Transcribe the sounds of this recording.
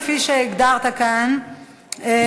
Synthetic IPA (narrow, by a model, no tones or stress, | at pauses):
fiʃeiɡd̪aʁt̪akan | e